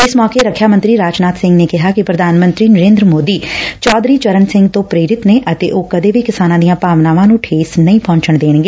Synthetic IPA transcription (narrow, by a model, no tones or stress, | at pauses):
ɪsmɔːkeːɾəkʰjaːmə̃nt̪ɾiːɾaːd͡ʒnaːt̪sɪ̃ŋɡneːkɪɦaːkɪpɾəd̪aːnmənt̪ɾiːnəɾẽːnd̪ɾəmoːd̪iːt͡ʃɔːd̪ɾiːt͡ʃəɾənsɪ̃ŋɡt̪õːpɾeːɾɪt̪neːʔət̪ḛːʔoːkəd̪eːʋiːkɪsaːnãːd̪ijãːpaːʋnaːʋãːnũːʈʰeːsnəĩːpɔ̃ːɲt͡ʃəɳd̪eːɳɡeː